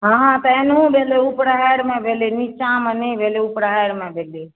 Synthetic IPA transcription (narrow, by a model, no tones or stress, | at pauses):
ɦãɦãt̪əenũbʱeleupɾaeɽmẽbʱelenit͡ʃamenibʱeleupɾajɾmẽbʱele